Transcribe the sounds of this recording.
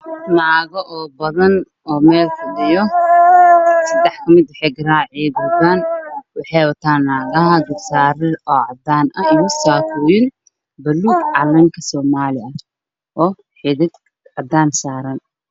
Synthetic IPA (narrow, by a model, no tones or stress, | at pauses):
naːɣɔʔɔːbɐðɐn | ɔːmɛːlkʰʊdɪjɔ | sɐd̪ɛħkʰɐmɪd̪wʊħɛɡɐraːʕɛbʊðaːnwɑħɛjwɐt̪ʰaːnːaːɣɐɦɐɡɐrsaːɾɪrɔːʕɑd̪aːnɐɪjʊsaːkʊjɪn | bɐluːɡʕɑlɐŋkʰɐsɔːmaːlɪɐ | ʔɔː | ħɪðɪd̪ | ʕɑd̪aːnsaːɾɐn